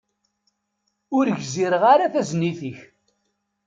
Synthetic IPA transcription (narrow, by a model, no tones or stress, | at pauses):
ʊɾʝziɾəʁaɾaθæzniθiç